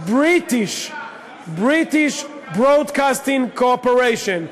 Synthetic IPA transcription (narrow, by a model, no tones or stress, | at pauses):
bɹitɪʃ | bɹitiʃ | bɹodkastĩŋkʰoɔpəɹeʃɔ̃n